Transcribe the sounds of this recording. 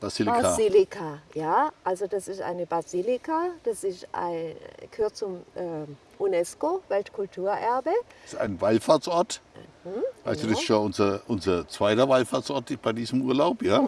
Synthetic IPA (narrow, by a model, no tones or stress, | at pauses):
b̥aziːlikailikʰajaːʔalzod̥asɪstʔa̰ɪnəbaziːlɪkad̥asɪstʔa̰ɪɡ̥əhøːɐtt͡sʊmʔɛː | ʔunɛskovɛltkʰʊltʰuːɐʔɛɐbəɪsta̰ɪnvaɪlfaːt͡sʔɔɐt̩ | vaɪstudɪsɪ̥tjaʔʊnzɐʔʊnzɐt͡sv̥aɪtɐvaɪlfaːt͡sʔɔɐtb̥aɪdiːzəmʔuːɐlaʊpjaː